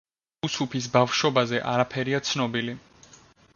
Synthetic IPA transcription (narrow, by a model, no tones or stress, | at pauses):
usupʰis̬bafʃɔbazɛʔa̰ɾapʰɛɾiat̪sʰnɔbili